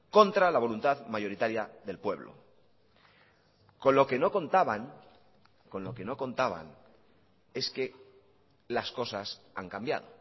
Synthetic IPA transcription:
ko̞nt̪ɾalaβ̞o̞lunt̪aðmajo̞ɾit̪aɾjaðe̞lpwe̞βlo̰ | ko̞nlo̞ke̞no̞ko̞nt̪aβan | ko̞nlo̞ke̞no̞ko̞nt̪aβa̰n | e̞ske̞ | lasko̞sasaŋkambja̰ð̞o̞

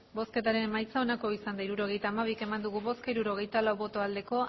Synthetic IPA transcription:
bo̞ske̞t̪aɾe̞majt͡sao̞nako̞isand̪aiɾuɾo̞ɣ̞e̞jt̪aːmaβ̞ike̞mand̪uɣ̞uβo̞skaiɾuɾo̞ɣe̞jt̪alawβo̞t̪o̞ald̪e̞ko̞

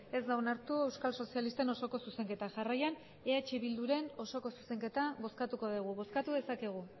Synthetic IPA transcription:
e̞zd̪awnaɾt̪ue̞wskalso̞sialist̪e̞no̞so̞ko̞suse̞ŋke̞t̪aʝarajan | eat͡ʃiβild̪uɾe̞no̞so̞ko̞suse̞ŋke̞t̪aβo̞skat̪uko̞ð̞iɣ̞uβo̞skat̪uðe̞sakeɣ̞u

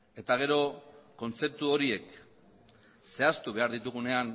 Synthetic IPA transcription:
e̞t̪aɣ̞e̞ɾo̞ko̞nt͡se̞p̚t̪uo̞ɾie̞k | se̞ast̪uβ̞e̞aɾðit̪uɣ̞une̞an

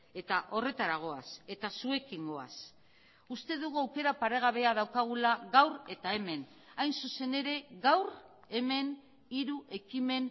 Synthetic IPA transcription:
e̞t̪aʔo̞re̞t̪aɾaɣo̞ase̞t̪asue̞kiŋɡo̞a̰s | ust̪e̞ðuɣuawke̞ɾapaɾe̞ɣ̞aβe̞að̞awkaɣ̞ulaɣawɾe̞t̪ae̞me̞n | ajnsuse̞ne̞ɾe̞ɣawr | e̞me̞n | iɾuʔe̞kime̞n

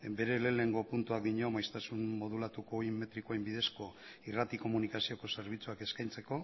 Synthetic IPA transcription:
be̞ɾe̞le̞le̞ŋɡo̞punt̪uak̚d̪iɲo̞majst̪asunmo̞ðulat̪uko̞imːe̞t̪ɾikoembiðe̞sko̞irat̪iko̞munikasio̞ko̞se̞ɾβ̞it͡suake̞skajnt͡se̞ko̞

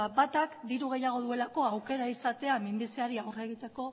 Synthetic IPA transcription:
bat̪akd̪iɾuɣ̞e̞jaɣ̞o̞ð̞ue̞lako̞awke̞ɾaisat̪e̞amimbiseaɾiawre̞ɣit̪e̞ko̞

